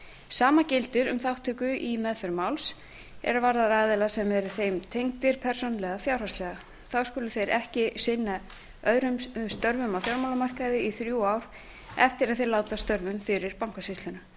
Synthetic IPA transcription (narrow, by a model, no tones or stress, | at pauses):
saːmacɪlt̪ɪɾʏmθawht̪ʰʏkʏʔimɛðfʏɾmawls | ɛ̰ɾvaɾðaɾaːðɛlasɛmɛɾʏθejmt̪ʰejŋkt̪ɪɾ̥pʰɛr̥sownlɛɣafjawɾ̥aslɛɣa | θawskʏːlʏθejɾɛhcɪsɪnːa | œðɾʏmst̪œɾvʏmawfjawɾmawlamar̥kaðɪiθɾjuaːwɾ̥ | ɛft̪ɪɾaðθejlaːwt̪ast̪œɾvʏmfɪɾɪɾpawŋkasɪst̪lʏnʏ